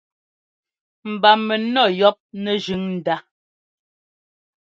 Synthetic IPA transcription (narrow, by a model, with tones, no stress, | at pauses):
m̩˨ba˨mɛ˨nɔ˦˨jɔ˦p̚nɛ˦ʒʉ˨˦ŋn̩˨da˦